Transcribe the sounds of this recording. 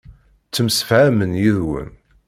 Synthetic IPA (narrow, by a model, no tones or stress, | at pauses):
t͡sːəmsəfʕæmənjiðwə̰n